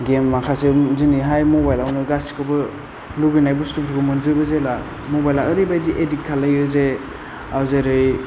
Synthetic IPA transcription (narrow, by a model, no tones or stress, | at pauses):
ɡemːakʰaseziniɦajmobajlawnɯɡasi̥kʰɔbɯ | luɡɯjnajbustupʰɾukɯmɯnzɯbɯzela | mobajlaɯɾibajdiʔedikkʰːalajɯze | awzeɾɯj